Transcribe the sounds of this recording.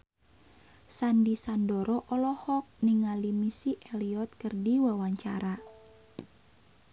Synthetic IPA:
sandisandɔɾɔʔɔlɔhɔk̚niŋalimisiʔɛliɔt̪̚kərdiwawaɲt͡ʃa̰ɾa

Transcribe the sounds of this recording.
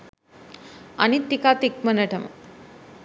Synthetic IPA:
ɐ̰nit̪ːikaːt̪ik̚mɐnɐʈɐmɐ

